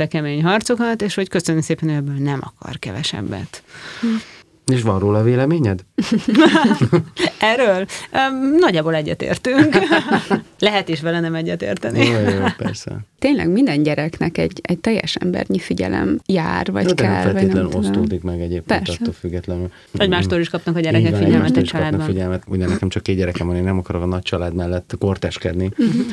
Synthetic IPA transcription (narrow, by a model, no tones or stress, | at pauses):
ɛkɛmeːɲɦɒrt̪so̞kɒt̪eːʃho̞ckøsønømseːpɛnøɛbːøːlnɛmʔɒkɒ̰rkɛvɛʃɛ̰bːɛ̰t̪ | eːʃʋɒnroːlɒveːlɛmeːɲɛd̪ | ɛrːøːlː | nɒɟːaːboːlɛɟːɛt̪ḛːrt̪yŋk | lɛɦɛt̪eʃ̬ʋɛlɛnɛmɛɟːɛt̪ḛːrt̪ɛnipɛ̰ɾsɛ̰t̪eːɲlɛ̰ɡmind̪ɛnɟɛɾɛknɛkɛɟɛct̪ɛjːɛ̰ʃɛmbɛ̰rɲifiɟɛ̰lɛ̰mjaːrvɒ̰ɟt̪ɛlɛlvet̪lɛnossud̪ikmɛɡɛɟeːp̚kpɛrst̪ːoːlfyɡːɛt̪lɛnyl | ɔɟmaːʃt̪oːɾiʃkɒpnɒkɒɟɛɾɛkɛkfiɟɛlmɛɛit͡ʃɒlaːd̪nbɒk̪iɟɛlmɛt̪uɟmɛnɛkɛmt͡ʃɒkːeːd̪ɟɛɾɛkɛmvɒneːnːɛmɒkɒɾokɒnɒc̚t͡ʃɒlaːd̪mɛlːɛt̪ːkort̪ɛʃkɛd̪ni